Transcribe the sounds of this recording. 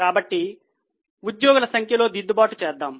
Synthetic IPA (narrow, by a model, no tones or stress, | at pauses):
kaːbɐʈːi | ud̪joːɡulɐsɐŋkʰjɐlo̞ːd̪id̪ːubaːʈut͡ʃɛːd̪ːaːm